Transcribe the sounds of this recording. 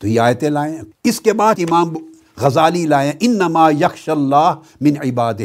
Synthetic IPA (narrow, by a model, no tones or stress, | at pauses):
t̪oiaːjt̪ẽlaːẽɪskebaːd̪ɪmaːm | ɣɐzaːlilaːeɛ̃ʔɪnːɐmaːjɐxʃalːaːh | mɪnʕɪbaːd̪ɪ